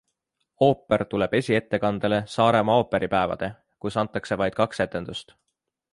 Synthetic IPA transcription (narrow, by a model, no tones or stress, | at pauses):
o̞ːpːˑe̞rt̪ule̞b̥e̞sʲie̞t̪ːe̞kɑnd̪̥ele̞sɑːɾe̞mɑoːpːe̞ɾʔipæevɑ̰d̪̥e̞ | kusɑnt̪ːˑɑkse̞vɑjd̪̥kɑkse̞t̪ːˑe̞nd̪̥ust̪